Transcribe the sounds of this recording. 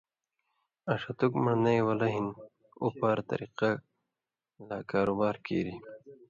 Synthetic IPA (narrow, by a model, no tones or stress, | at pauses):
ɐʂɐt̪ukmanɐjwɐlɐɦin | upaɾt̪ɐ̰ɾiqa | lakaːɾubaːɾkḭːɾi